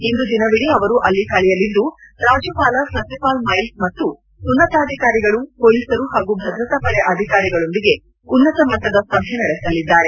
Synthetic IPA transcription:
ind̪ud̪inɐʋiɽiɐʋɐɾuʔɐlːikɐɭɛjɐlid̪uɾaːd͡ʒupaːlɐsɐsipaːlmɐjlsmɐt̪ːuː | nːɐt̪aːd̪ʱikaːɾiɡɐɭupoːliːsɐɾuhaːɡubʱɐd̪ɾɐt̪ɐpɐɭeʔɐd̪ʱikaːɾiɡɐɭo̞nd̪iɡe̞ | unːɐt̪ɐmɐt̪ːɐd̪ɐsɐbʱjenɐɽesɐlid̪ːaːɾe̞

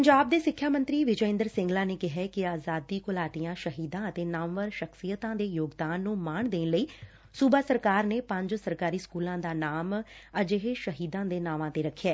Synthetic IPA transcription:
pəɲd͡ʒaːb̚d̪eːsɪkʰːjaːmə̃nt̪ɾiːʋɪd͡ʒəɪ̃nd̪əɾsɪ̃ŋɡlaːneːkɪɦɛːkɪaːzaːd̪iːkʊlaːt̪ijãːʃəɦiːd̪ãːət̪eːnaːmʋəɾʃəksijət̪ãːd̪eːjoːɡd̪aːnːũːmaːɳd̪eːnləiː | suːbaːsəɾkaːɾneːpəɲd͡ʒsəɾkaːɾiːskuːlãːd̪aːnaːməd͡ʒeɦeʃəɦiːd̪ãːd̪eːnaːʋãːt̪eːɾəkʰːɛː

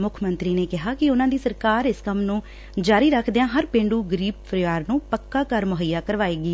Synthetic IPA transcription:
mʊkʰmənt̪ɾiːneːkɪɦaːkɪʊnãːd̪iːsəɾkaːɾɪskəmnũː | d͡ʒaːɾiːɾəkʰd̪eːãːɦəɾpẽːɳɖuːɡəɾiːb̚pʰəɾɪʋaːɾnũːpəkːaːkəɾmʊɦəjːaːkəɾʋaːeːɡiː

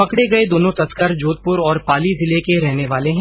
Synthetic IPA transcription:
pɐkɽeɡɐed̪oːnõt̪ɐskəɾd͡ʒoːt̪̚pʊɾɔːɾpaːlizɪlekeɾɛɦneʋaːleɦɛ̃

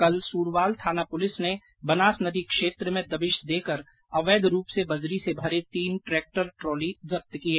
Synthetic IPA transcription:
kɐlsuːɾʋaːlt̪ʰaːnapʊlɪsne | bɐnaːsnɐd̪ikʃeːt̪ɾəmẽd̪ɐʋɪʃd̪eːkəɾ | ɐʋeːd̪ɾuːpsebɐzɾisebʱɐɾet̪iːnʈɾeːk̚ʈəɾʈɾoːlizɐp̚t̪əkieː

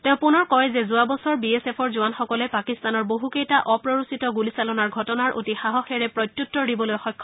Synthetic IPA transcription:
tɛ̃ʊ̃punɔɹkɔjzɛzuabɔsɔɹbiesepʰɔɹzuanxɔkɔlɛpakist̪anɔɹboɦukejtaʔɔpɹɔɹusitɔɡulisalɔnaɹɡʱɔtɔnaɹʔo̰tixaɦɔxɛɹɛpɹɔjtjutːɔdibɔlojxɔjkʰːɔ

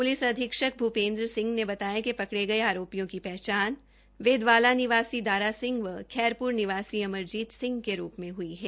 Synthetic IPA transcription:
pʊlɪsɐd̪ʱɪkʃək̚bʱupẽːnd̪ɾəsɪ̃ŋɡnebɐt̪aːjẽkepɐkɽeɡɐeaːɾoːpijõkipɛɦt͡ʃaːn | ʋeːd̪ʋaːlanɪʋaːsid̪aːɾasɪ̃ŋɡʋəkʰɛːɾpʊɾnɪʋaːsiɐməɾd͡ʒiːd̪sɪ̃ŋɡkeɾuːpmẽɦʊiɦɛː

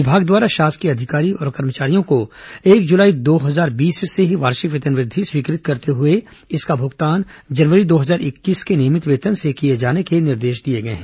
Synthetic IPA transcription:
ʋɪbʱaːɡd̪waːɾaʃaːst̪kiɐd̪ʱɪkaːɾiɔ̰ːɾkɐɾmət͡ʃaːɾijõkoeːkd͡ʒʊlaːid̪oːɦɐzaːɾbiːsseɦiʋaːɾʃɪkʋət̪ənʋɾɪd̪ʱːiswiːkɾɪt̪̚kɐɾt̪eɦʊe | ɪskabʱʊɡt̪aːnd͡ʒɐnʋəɾid̪oːɦɐzaːɾɪkːiːskeniːmɪt̪ʋeːt̪ənsekijed͡ʒaːnekenɪɾd̪eːʃd̪ieɡɐḛɦɛ̃ː

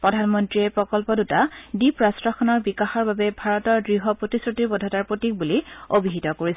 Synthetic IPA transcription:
pɹɔdʱanmɔntɹiɛpɹɔkɔlpɔdutadipɹasɹɔxʰɔnɔɹbikaxɔɹbabɛbʱaɹɔtɔɹdɹiɦɔpɹotisɹotiɹbɔdʱɔtaɹpɹotik̚buliobiɦitɔkoɹis

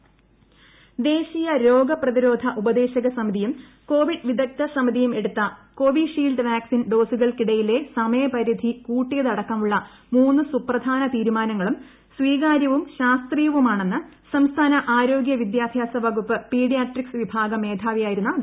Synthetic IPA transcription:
d̪e̞ːɕijɐɾo̞ːɡɐprɐðiɾo̞ːd̪ʱɐʔubɐd̪e̞ːɕɐɣɐsɐmiðijum | ko̞ːʋiɖʋid̪ʱɐk̚t̪ɐsɐmiðijume̞ɽut̪ːɐko̞ːʋiʂiːlɖɨʋaːksinɖo̞ːsuɣɐɭkiɽɐjile̞sɐmɐjɐpɐɾid̪ʱikuːʈːijɐðɐɽɐkːɐmuɭːɐ | muːnːɨsuprɐd̪ʱaːnɐt̪iːɾumaːnɐŋːɐɭum | sʋiːɣaːɾjɐʋumɕaːst̪rijɐʋumaːɳe̞nːɨ | sɐmst̪ʰaːnɐʔaːɾo̞ːɡjɐʋid̪jaːd̪ʱjaːsɐbʱɐɡupːɨpiːɽijaːʈriksɨʋibʱaːɡɐme̞ːd̪ʰʱaːʋijaːjiɾunːɐ

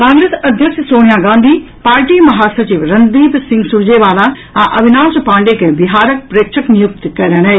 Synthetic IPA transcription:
kãːŋɡɾeːsɐd̪ʱjəkʃsoːɽ̃ijaːɡãːnd̪ʱi | paːɾʈimɐɦaːsɐɾt͡ɕiːʋɾɐnd̪iːb̪sɪ̃ŋɡsʊɾd͡ʑeʋaːlã | ɛ̃ːʔɐbʱɪnaːspãːɳɖekʰẽːbɪɦaːɾək̚pɾeːkʃəknɪjʊk̚t̪kɐləɽ̃ɦeː

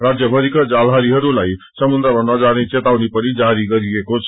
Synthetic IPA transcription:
rad͡zjʌbʱʌɾikad͡zalɦaɾiɦʌɾulaj | sʌmund̪ɾabʱʌnmʌd͡zaɾnet͡set̪awnepʌnid͡zaɾiɡʌɾiekot͡sʰ

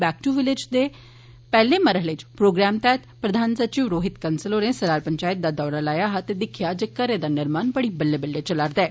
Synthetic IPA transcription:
bɛːk̚ʈuʋɪlɪd͡ʒd̪eː | pɛːlẽːməɾəɦlet͡ʃpɾoːɡɾɛːmt̪ɛːt̪pɾəd̪ʱaːnsət͡ʃiːʋɾoːɦɪt̪kənsəloːnẽːsəɾaːɾpəɲt͡ʃaːjət̪̚d̪aːd̪ɔːɾaːlaːjaːɦat̪eːd̪ɪkʰɪjaːd͡ʒeːkəɾeːd̪aːnɪɾmaːnbəɽiːbəlːeːbəlːeːt͡ʃəlaːɾd̪ɛː

